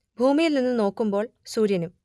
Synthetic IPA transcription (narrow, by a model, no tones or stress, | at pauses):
bʱuːmijilninːɨno̞ːkːumbo̞ːɭsuːɾjɐnum